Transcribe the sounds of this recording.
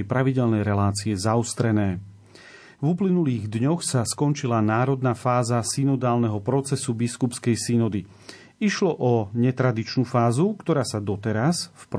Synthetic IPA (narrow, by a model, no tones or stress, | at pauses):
ɛjpɾaʋiɟɛlnɛjɾɛlaːt͡siɛzaɔst̪ɾɛnɛː | vuplinuliːɣd̪ɲɔxsaskɔnt͡ʃilanaːɾɔd̪naːfaːzasinɔd̪aːlnɛɦɔpɾɔt͡sɛsubiskupskɛjsinɔd̪i | iʃlɔʔɔɲɛt̪ɾad̪it͡ʃnufaːzukt̪ɔɾaːsad̪ɔt̪ɛɾasfp